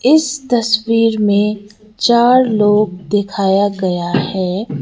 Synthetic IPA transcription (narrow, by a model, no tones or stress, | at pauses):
ɪst̪ɐswiːɾmẽ | t͡ʃaːɾloːɡ̚d̪ɪkʰaːjaɡɐjahɛː